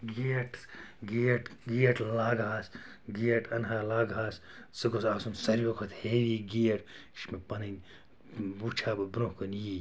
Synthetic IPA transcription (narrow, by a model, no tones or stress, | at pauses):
ɡiːʈsɡiɐʈɡiːɐʈlaːɡaːsʲ | ɡijɐʈɐnɦaːlaːɡaːsʲ | sɨɡosaːsunsɐɾʲjokʰɐt̪ʰheːʋiːɡijɐʈ | ʃmepɐnɨnʲ | but͡ʃʰaːbɐbɾõhkɐnjiː